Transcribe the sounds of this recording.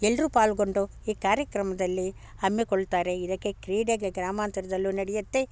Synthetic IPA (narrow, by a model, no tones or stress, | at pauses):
ɛlːɾupaːlɡo̞ɳɖu | iːkaːɾjɐkɾɐmɐd̪ɐlːi | ɐmjekoɭːt̪aːɾe̞id̪ɐkːe̞kɾiːɖeɡeɡɾaːmaːnt̪ɐɾɐd̪ɐlːunɐɽɛjɐt̪ːe̞